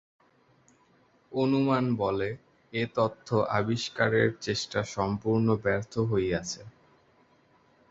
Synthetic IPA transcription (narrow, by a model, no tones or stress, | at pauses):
onumanbɔle | et̪ot̪ʰːoʔa̰biʃkaɾḛɾt͡ɕeʃʈaʃɔmpuɾnobɛɾt̪ʰoɦojat͡ɕʰe